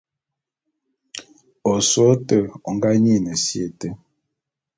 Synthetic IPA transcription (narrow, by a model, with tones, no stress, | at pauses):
o˨so˨˦tə˦ɔ˨ŋ˦ɡa˦ɲi˦˨nə˨sje˦˨tə˦